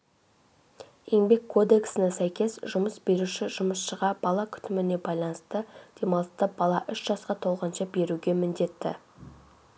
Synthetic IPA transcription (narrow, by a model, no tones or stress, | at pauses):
jeŋbe̞kʰːo̞d̪e̞ksɪnesæjkʲe̞sʒʊməsbe̞ɾuʃɪʒʊməsʃəʁɑb̥ɑlˠɑkʲʰʏ̥t̪ɪmɪne̞bɑjlˠɑnəst̪əd̪̥e̞mɑlˠəst̪ɑb̥ɑlˠɑʔʏʃʒɑsqɑt̪ʰo̞lˠʁənʃɑbe̞ɾuɡʲe̞mɪnd̪e̞t̪ːɪ̰